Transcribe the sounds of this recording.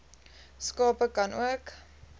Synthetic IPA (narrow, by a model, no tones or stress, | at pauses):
skɑːpəkɐnʔṵək